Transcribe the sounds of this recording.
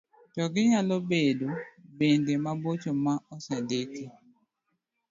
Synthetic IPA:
tɔɡɪɲalobedobendemabot͡ʃomaʔɔsɛdeti

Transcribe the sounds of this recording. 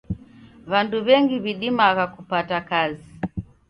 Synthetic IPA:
βanduβɛŋɡiβiɗimaɣakupatakazi

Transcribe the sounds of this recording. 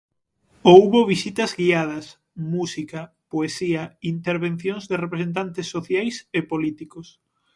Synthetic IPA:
ouβoβ̞isit̪ɐzɣiað̞ɐs | musikɐ | poesiɐint̪eɾβẽn̟θjoŋzðɪrepɾesent̪̬ant̪ɪsːoθjajsepolit̪ikos

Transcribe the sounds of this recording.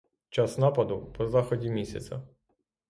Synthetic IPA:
t͡ʃɑsnɑpɐd̪ʊpɔzɑxɔdʲimʲisʲɐ̰t͡s̪ʲɐ̰

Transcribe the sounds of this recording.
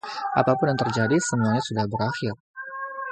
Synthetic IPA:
ʔa̰papʊnjaŋt̪ərd͡ʒadisəmuaɲasudahbəɾaxɪr

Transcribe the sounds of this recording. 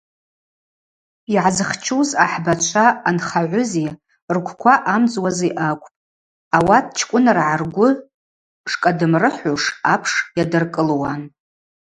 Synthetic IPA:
iʕazɨχt͡ʃʰuzaħbat͡ʃʷʰaːnχaʕʷʊzi | rkʷʰkʷʰaʔamd͡zwaziʔakʷʼpʼ | awatʰʼt͡ʃʰkʷʼʊnarʕarɡʷʊ | ʂkʼadɨmrɨħuʂapʰʂjadɨrkʼɨlwan

